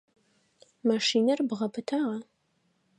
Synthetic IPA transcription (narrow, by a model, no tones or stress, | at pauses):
maʂiːnɐrbʁɐpʰɨtʰaːʁɐ